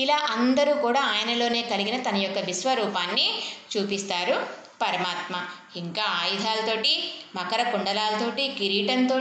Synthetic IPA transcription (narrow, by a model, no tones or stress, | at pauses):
ilaːʔɐnd̪ɐɾuːkuːɽaːaːjɐnɐlo̞ːne̞ːkɐliɡinɐt̪ɐnɐjɔkːɐʋisʋɐɾuːpaːnːit͡ʃuːpist̪aːɾu | pɐɾɐmaːt̪mɐ | iŋkaːaːjid̪ʱaːlɐt̪o̞ːʈimɐkɐɾɐkuɳɖɐlaːlɐt̪o̞ːʈikiɾiːʈɐnt̪oː